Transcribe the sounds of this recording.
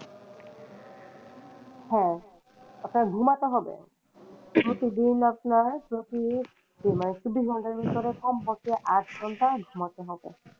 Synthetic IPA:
hɛ̃ | apʊnaɹdʱumatɔɦɔbɛ̰ | pɹotidinapʊnaɹpɹoti | bimanisubisɡʱɔntaɹbʱisɔɹɛkʰɔmbɔkiɛʔatʰɡʱɔntadʱumatɔɦɔbɛ̰

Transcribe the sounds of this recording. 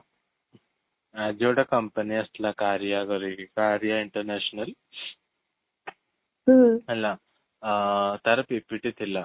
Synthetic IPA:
ad͡ʑoɽɐkɐmpɐniɐst̪lakaːɾjaɡɐɾiikaːɾjaiɳʈɐɾneːɕnɐl | ɐlːa | t̪ɐɾɐpepiʈit̪ʰilːa

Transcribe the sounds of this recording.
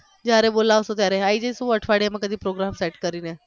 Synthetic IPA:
d͡ʑaɾebolaʋsot̪jaɾeaid͡ʑesuəʈʰʋaɽemakəd̪ʱiːpɾoɡɾamseʈkəɾiːne

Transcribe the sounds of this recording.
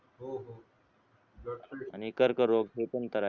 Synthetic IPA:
ɦoɦ | anikəɾkəɾoɡɦepənt̪əɾa

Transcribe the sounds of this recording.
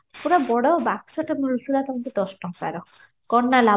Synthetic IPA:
puɾabɔɽɔbaksɔʈamulusulat̪ɔmant̪ed̪ɔsʈɔŋkaɾɔ | kɔnːala

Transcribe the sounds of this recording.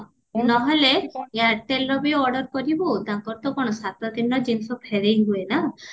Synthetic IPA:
nɔɦeleeaɾʈelɾɔbiɔɖɔɾkɔɾibut̪ãkɔɾt̪ɔkɔɽ̃ɔsat̪ɔd̪inːɔd͡ʒinsɔpʰeɾejɡuena

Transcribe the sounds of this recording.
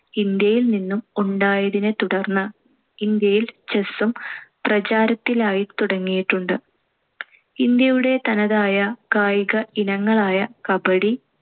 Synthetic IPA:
ind̪jɐjilninːumuɳɖaːjɐðinɨt̪uɽɐrnːɐ | ind̪jɐjilt͡ɕesumprɐt͡ɕaːɾɐt̪ːilaːjit̪uɽɐŋːijiʈːuɳɖɨ | ind̪jɐjuɽe̞t̪ɐnɐðaːjɐkaːjɣɐinɐŋːɐɭaːjɐkɐbɐɽi

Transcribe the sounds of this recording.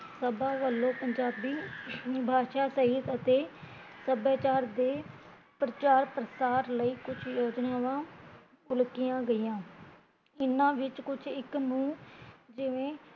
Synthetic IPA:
səbãːʋəlːõːpəɲd͡ʒaːbiːbʱaːʃaːsəɦit̪ət̪eː | səbaːt͡ʃaːɾd̪eː | pɾət͡ʃaːɾpɾəsaːɾləiːkʊt͡ʃʰjoːd͡ʒnaːʋãː | ʊlkɪjãːɡəijãː | ɪnãːʋɪt͡ʃkʊt͡ʃʰɪkmũːd͡ʒɪʋẽː

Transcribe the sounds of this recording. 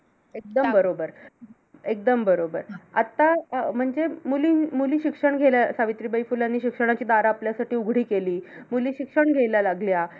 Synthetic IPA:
ek̚d̪əmbəɾobəɾ | ek̚d̪əmbəɾobəɾa̰t̪ːam̤əɳd͡zemuliːmuliːɕikʂəɳɡʱelasaʋit̪ɾiːbəifulanːiːɕikʂəɽ̃at͡ɕiːd̪aɾaːpljasaʈiːuɡʱɽ̤iːkeliːmuliːɕikʂəɳɡʱeljalaɡlja

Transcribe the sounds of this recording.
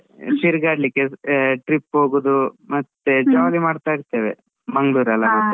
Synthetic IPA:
siɾɡaːɖlikːeʈɾipːɦoːɡud̪umɐt̪ːed͡ʒɐʋaːɡimaːɖt̪aːiɾt̪ːeːʋḛ | mɐŋɡɭuːɾɐlːɐɦot̪ːu

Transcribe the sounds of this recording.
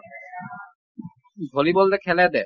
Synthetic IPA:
d̪ʱolibolt̪ekʰɛled̪ɛ

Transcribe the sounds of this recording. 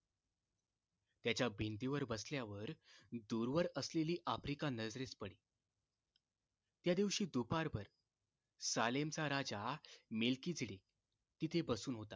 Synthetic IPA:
t̪jat͡ɕjabʱint̪iʋəɾbəsljaʋəɾd̪uɾʋəɾəsleliːʔafɾikanəd͡zɾet͡spəɽiː | t̪jad̪iʋɕiːd̪upaɾbʱəɾ | salemt͡saɾad͡zamelkiːd͡zʱiɽe | t̪it̪ʰebəsuːnɦot̪a

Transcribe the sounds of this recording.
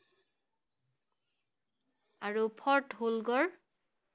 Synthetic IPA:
aɹupʰɔɹtɦulɡɔɹ

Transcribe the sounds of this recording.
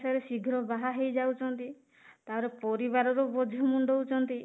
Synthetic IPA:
saɾesiɡʱɾɔbaɦaɦejd͡ʒawt͡ʃʰɔnt̪i | t̪aɾepɔɾiβaɾɔɾobod̪ʱɔmuɳɖɔwt͡ʃɔnt̪i

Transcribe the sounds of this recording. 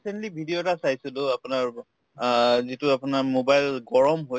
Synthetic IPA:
isentlibʱidijotasajsʊlʊapʊnaɹ | zitʊapʊnaɹmobajlɡɔɹɔmɦoj

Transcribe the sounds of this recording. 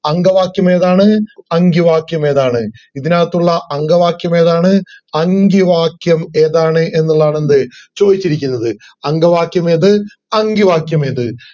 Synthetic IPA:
ɐŋɡɐʋaːkjɐme̞ːðaːɳɨɐŋɡiʋaːkjɐme̞ːðaːɳɨ | iðinaːt̪ːuɭːɐʔɐŋɡɐʋaːkjɐme̞ːðaːɳɨɐŋɡiʋaːkjɐmeːðaːɳɨʔe̞nːuɭðaːɳend̪ɨt͡ɕo̞ːd̪it͡ɕːiɾikʲːunːɐðɨ | ɐŋɡɐʋaːkjɐme̞ːðɨ | ɐŋɡiʋaːkjɐme̞ːðɨ

